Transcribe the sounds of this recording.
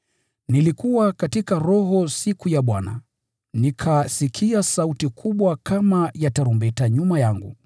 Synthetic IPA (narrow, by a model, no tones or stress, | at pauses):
nilikuwakatikaɾɔɦɔsikujaɓwana̰ | nikʰasikʰiasautikʰuɓwakʰamajataɾumbɛtaɲumajaŋɡṵ